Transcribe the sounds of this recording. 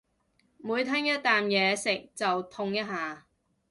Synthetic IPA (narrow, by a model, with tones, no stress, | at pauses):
muː˨˧jt̪ʰɐ˥ŋjɐ˥t̚t̪aː˨mjɛː˨˧sɪ˨k̚t͡sɐ˨wt̪ʰʊ˧ŋjɐ˥t̚ɦhaː˨˩